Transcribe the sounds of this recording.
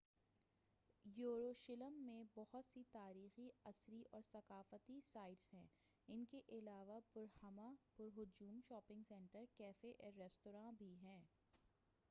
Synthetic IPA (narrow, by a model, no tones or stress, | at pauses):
joːɾoːʃɪləmːẽbɔɦʊt̪sit̪aːɾiːxiɐsɾiʔɔːɾsɐkaːfət̪isaːɪɖsɦɛ̃ː | ɪnkeʔɪlaːʋapʊɾhɐmapʊɾɦʊd͡ʒuːmʃɔːpɪ̃ŋɡsɛ̃ːɳʈəɾkɛːfeʔɾɛːsʈoːɾãːbʱiɦɛ̃ː